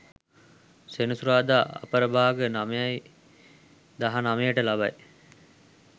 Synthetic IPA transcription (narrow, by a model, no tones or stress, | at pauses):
senusuɾaːd̪aːʔɐ̰pəɾəbʱaːɡənamejaj | d̪aɦanamejəʈəlabaj